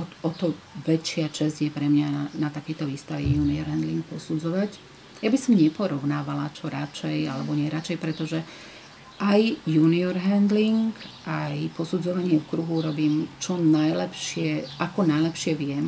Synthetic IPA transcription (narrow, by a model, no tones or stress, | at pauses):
ɔɔt̪ɔʋɛt͡ʃɪat͡ʃɛzɟjɛpɾɛmɲanat̪akɛjt̪ɔʋiːst̪aʋijuːniɔɾɦɛnd̪liŋk̚pɔsud͡zɔʋac | jabisɔmɲɛpɔɾɔʊnaːʋalat͡ʃɔɾat͡ʃɛja̰lɛbɔɲɪɛɾat͡ʃɛjpɾɛt̪ɔʒɛ | ʔajjuːniɔɾɦɛnd̪liŋkʔajpɔsud͡zɔʋaɲɪɛfkɾuɦuuɾɔbiːmt͡ʃɔnajlɛpʃɪɛʔakɔnajlɛpʃɪɛʋɪɛm